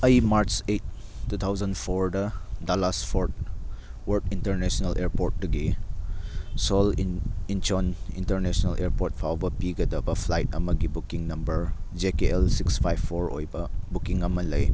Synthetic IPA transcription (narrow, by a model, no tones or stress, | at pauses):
ɐjmaɾt͡ʃet̚ːut̪ʰawzɐnpʰoɾdɐdalaspʰoɾt̚ | wɐɾtintəɾnesnɐlʔeɾpoɾt̚duɡi | sɔlint͡ʃɔnḭntəɾnesɔnɐlʔeɾpoɾt̚pʰawbɐpiɡɐdɐbɐpʰlajtɐ̰mɐɡibukiŋnɐmbɐɾd͡ʒekeelsikspʰajbʰoɾo̰jbɐbukiŋɐmɐlɐj